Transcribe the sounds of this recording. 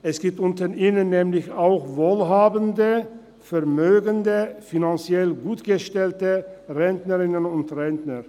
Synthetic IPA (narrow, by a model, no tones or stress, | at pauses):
ʔɛsɡ̥iːp̚tʔʊntəʔiːnənːɛːmlɪçaʊxvoːlɦaːbəndə | fɛɐmøːɡəndəfinant͡sjɛlɡuːtɡ̥əʃtɛltəʁɛntnəʁɪnənʊntʁɛntnɐʁ